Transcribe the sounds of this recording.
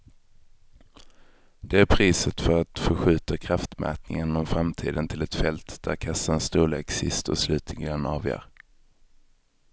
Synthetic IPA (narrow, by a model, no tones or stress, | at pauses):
d̪̥ɛæɾpʰɾiːsət̪fœɾat̪fœɾɧʉ̟ːt̪akʰɾaft̪mɛ̰ːt̪nɪŋənɔmfɾamt̪ʰḭːd̪ənt̪ʰɪlɛt̪fɛlt̪d̪̥æ̰ɾkʰasaənst̪uːlḛːksɪst̪ɔ̰slʉ̟ːt̪ʰɪŋɡ̪ənɑːvjœ̰ːɾ